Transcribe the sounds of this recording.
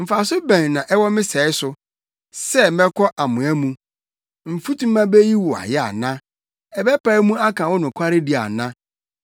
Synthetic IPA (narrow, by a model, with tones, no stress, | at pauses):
m̩˨fa˨sʊ˦bæ̃˨nnã˨ʔɛ˦wɔ˦mɪ̃˦sɛ˨˦ɪ˦sʊ˨ | sɛ˦mɛ̃˦kʰɔ˦ʔa˨mʊ̃˨æ˦mũ˦ | m̩˨fu˦tũ˦mã˦be˦ji˦wʊ˨a̰˨jɛ˦a̰˨nã˦ | ɛ˨bɛ˦pʰa˨˦mũ˦a˦kʰã˨wɔ˦nʊ̃˨kʷʰa˦ɾɪ˦di˨a̰˨nã˦